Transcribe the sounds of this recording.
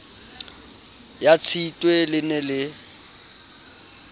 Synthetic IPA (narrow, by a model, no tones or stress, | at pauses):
jat͡sʰitʼwelɪnɛlɪ